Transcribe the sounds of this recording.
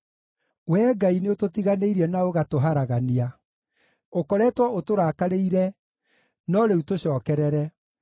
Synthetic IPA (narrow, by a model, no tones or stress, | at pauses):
wɛːɡaineototiɣaneiɾɛnaoɣatoɦaɾaɣania | okɔɾɛtwaotoɾaːkaɾeiɾɛ | nɔɾeutoɕɔːkɛɾɛɾɛ